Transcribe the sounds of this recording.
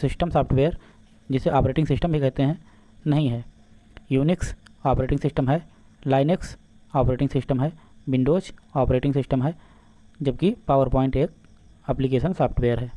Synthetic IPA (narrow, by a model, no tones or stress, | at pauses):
sɪsʈəmsaːp̚ʈbeːəɾ | d͡ʒɪseʔaːpɾeːʈɪ̃ŋɡsɪsʈəmbʱikɛɦt̪eɦɛ̃ | nɐɦĩɦɛ̃ː | juːnɪksaːpɾeːʈɪ̃ŋsɪsʈəmɦɛ | laːɪneks | aːpɾeːʈɪ̃ŋsɪsʈəmɦɛːbɪ̃ɳɖoːt͡ʃaːpɾeːʈɪ̃ŋsɪsʈəmɦɛː | d͡ʒɐb̚kipaːʋəɾpɔːɪ̃ɳʈeːk̚ | ɐplikeːʃənsaːpʈbeːəɾɦɛː